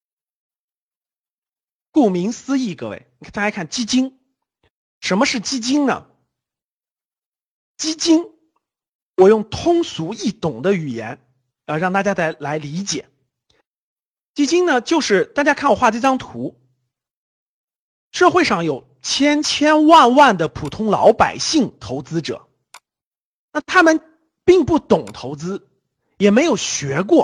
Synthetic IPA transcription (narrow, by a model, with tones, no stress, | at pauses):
ku˥˩mi˧˥ŋsɹ̩˥i˥˩kɤ˥wḛ˥˩ɪi˨˥˩lkʰa˥˩nt͡ɕi˥t͡ɕi˥ŋ | ʂə˧˥nmə˧ʂɻ̩˥˩t͡ɕi˥t͡ɕi˥ŋnə̰˨ | t͡ɕi˥t͡ɕi˥ŋ | wɔ˨˩jʊ˥˩ŋt̪ʰʊ˥ŋsu˧˥i˥˩t̪ʊ˨˩ŋd̪ə˦y˨˩jɛ̰˧˥n | jɻɑ˥˩˧ŋt̪a˥˩t͡ɕja˥t͡sa˥˩ɪla˧˥ɪli˧˥t͡ɕjɛ̰˨˩˦ | t͡ɕi˥t͡ɕi˥ŋnə˨t͡ɕjo˥˧ʊʂɻ̩˥˧t̪a˥˩t͡ɕja˥kʰa˥˩nwɔ˨˩xwa˥˧˩ʈ͡ʂʈ͡ʂɑ˥ŋt̪ʰu˧˥ | ʂɤ˥˧xwe˥˧ɪʂɑ˥˩ŋjo˨˩ʊt͡ɕʰjɛ˥nt͡ɕʰjɛ˥nwa˥˧nwa˥˩nd̪ə˩pʰu˨˩t̪ʰʊ˥ŋlɑ̰˧˥ʊpa˨˩ɪɕi˥˩ŋt̪ʰo˧˥ʊt͡sɹ̩˥ʈ͡ʂɤ̰˨˩˦ | na˥˩t̪ʰa˥mə˨n | pi˥˧ŋpu˥˩t̪ʊ˨˩ŋt̪ʰo˧˥ʊt͡sɹ̩˥ | jɛ˨˩me˧˥ɪjo˨˩ʊɕɥɛ˧˥k̬wɔ˥˩